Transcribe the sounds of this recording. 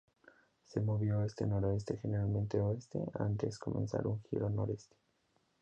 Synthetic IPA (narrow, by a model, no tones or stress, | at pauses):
se̞moβjoest̪e̞̰noɾoest̪e̞xeneɾalmẽnt̪eoest̪e̞̰a̰nt̪e̞sko̞mʔẽnsa̰ɾuŋxḭɾo̞no̞ɾe̞st̪e̥